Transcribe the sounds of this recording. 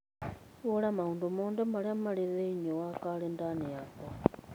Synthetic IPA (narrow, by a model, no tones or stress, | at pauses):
βolamauːndomoːndɛmaɾiamaleðeiɲowakalendaneakwa